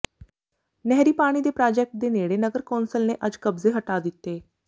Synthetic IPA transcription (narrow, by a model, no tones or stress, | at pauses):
nɛɦɾiːpaːɽ̃iːd̪eːpɾaːd͡ʒɛːk̚ʈ̚d̪eːneːɽeːnəɡəɾkɔːnsəlneːʔəd͡ʒkəbzeːɦəʈaːd̪ɪt̪ːeː